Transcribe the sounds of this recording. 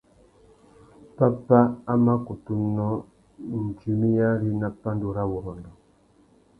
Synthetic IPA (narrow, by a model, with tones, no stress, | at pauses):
pa˦pa˦a˦ma˦ku˨tu˦nɔ˦ | n̩˨d͡ʒi˨mi˦ja˦ɾi˦na˦pːa˦n˦do˨ɾa˦wo˨ɾɔ˨ndɔ˨